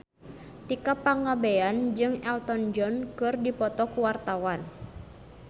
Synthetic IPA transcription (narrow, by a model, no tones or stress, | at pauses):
t̪ikapaŋabeand͡ʒɨŋɛlt̪ɔnd͡ʒɔnkɨrdipɔt̪ɔkuwart̪awan